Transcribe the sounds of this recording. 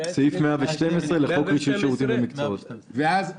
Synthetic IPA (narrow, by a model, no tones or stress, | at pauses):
seifmeaveʃte̞mesʁeleχo̞kʁiʃutʃeʁut̪inamikt͡soot̪veaz